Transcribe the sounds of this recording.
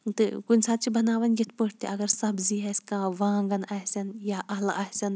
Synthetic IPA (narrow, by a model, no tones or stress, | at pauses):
t̪ɨkunʲsaːt̪̚t͡ʃibɐnaːʋɐnjit̪ʰpəʈʰt̪ḭʔɐɡɐɾsɐbziɦɐsʲkãːʋãːŋɡɐnɐɦsʲɐnjaːʔɐɦla̰ɐɦsʲɐn